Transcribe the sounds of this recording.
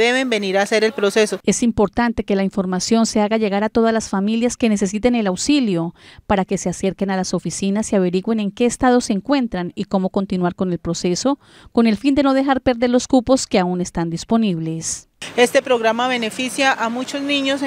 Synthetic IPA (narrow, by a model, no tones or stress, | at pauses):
eβembe̞niɾaːse̞ɾe̞lpɾo̞se̞so̞e̞simpo̞ɾt̪ant̪e̞ke̞laiɱfo̞ɾmasjo̞nse̞aɣaʝe̞ɣaɾat̪o̞ð̞azlasfamiljaske̞ne̞s̬e̞s̬it̪ene̞lawsiljo̞paɾake̞se̞ase̞ɾke̞nalaso̞fisinasiaβ̞e̞ɾiɣwe̞ne̞ŋke̞ːst̪aðo̞se̞ːŋkwe̞nt̪ɾaniko̞mo̞ko̞nt̪inwaɾko̞ne̞lpɾo̞se̞so̞ | ko̞ne̞lfind̪e̞noð̞e̞xaɾpe̞ɾðe̞ɾlo̞skupo̞ske̞aune̞st̪and̪ispo̞niβ̞le̞s | e̞st̪e̞pɾo̞ɣɾamaβe̞ne̞fisjaʔamut͡ʃo̞zniɲos